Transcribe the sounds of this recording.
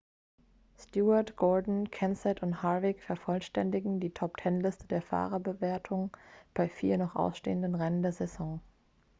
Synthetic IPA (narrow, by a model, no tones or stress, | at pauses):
stjuːɐɐtɡ̥ɔɐdn̩kʰɛnsɛtʊnthaɐvɪkfɛɐfɔlʃtɛndɪɡŋ̩diːtʰɔp̚tʰɛnlɪstədeːɐfa̰ːʁɐbəveːɐtʰʊŋb̥aɪfiːɐnɔχʔa̰ʊsʃtḛːəndənʁɛnəndeːɐzɛzɔ̃ŋ